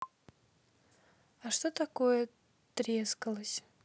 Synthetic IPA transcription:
aʂt̪ot̪akojə | t̪ɾʲeskəlˠəsʲ

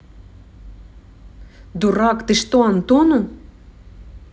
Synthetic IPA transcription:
d̪uɾɑkt̪ɨʃt̪oɑnt̪onu

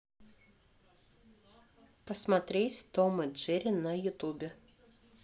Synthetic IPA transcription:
pɐsʲmɐt̪ʲɾʲeːsʲt̪ɔmɐd͡ʒʲɪɾʲɪnɐjʊt̪ubʲɛ

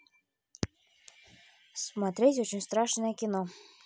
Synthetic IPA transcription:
smat̪ɾʲetʲot͡ɕɪnʲst̪ɾɑʂnəjəkʲino

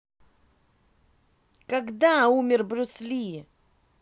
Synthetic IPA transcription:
kaɡd̪aumʲɪrbɾʲʊslʲi

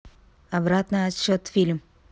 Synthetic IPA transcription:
ɐbɾat̪nɨɐt̪ɕot̪fʲilʲm

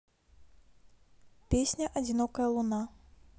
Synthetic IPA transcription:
pʲesʲnʲɐʔɐd͡zʲinɔkɐjɐlˠuna

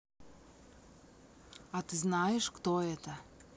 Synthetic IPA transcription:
at̪ɨznɑjɪʃkt̪oɛt̪ə

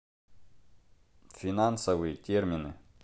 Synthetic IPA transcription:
fʲinansɐvɨjətʲermʲinɨ

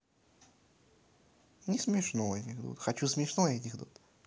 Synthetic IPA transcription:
nʲɪsmʲɪʂnoɛtʲɪxd̪ṵt̪xɐt͡ɕusmʲɪʂnoɛtʲɪxd̪ut̪

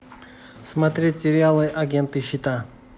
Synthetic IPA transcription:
smɐt̪ɾʲetʲsʲɪɾʲɪalˠɨʔɐɡʲent̪ɨɕːɪt̪a

